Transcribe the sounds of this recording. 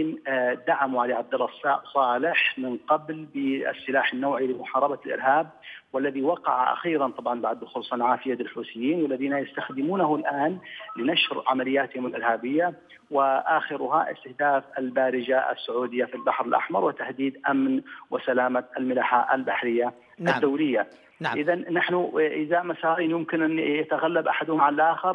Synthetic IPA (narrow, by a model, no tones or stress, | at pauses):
ɪnd̪aʕamuʕaliʕab̚d̪alːɑsˤːɑːʔsˤɑːlɪħmɪnqɑblbɪ̰sːɪlaːħanːawʕilɪmʊħɑːɾˤɑbalʔɪ̰ɾhaːb̚walːaðiwɑqɑ̰ʕa̰ʔa̰xiːɾɑnt̪ˤɑbʕɑnbaʕd̪xʊlsˤɑnʕaːfɪjad̪ɪlħuːsɪjːiːnwɪlːaðiːnajast̪axd̪ɪmuːnahʊlʔaːnlɪnaʃɾʕamalɪjːaːt̪ɪhʊmɪlʔɪɾhaːbɪjːa | wɪʔaxɪɾʊɦaʔɪ̰st̪ɪhd̪aːfalbaːɾɪd͡ʒaa̰sːʊʕuːd̪ɪjːafilbaħɾɪlʔa̰ħmɑ̰ɾˤwɪt̪ahd̪iːd̪ʔamnwɪsalaːmaalmɪlaħaʔalbaħɾɪjːa | ad̪ːawlɪjːa | ʔɪðanːaħnʊʔɪðamasaːɾiːnjʊmkɪnʔanjat̪aɣalːabʔaħad̪hʊmʕlʔaːxɪɾˤ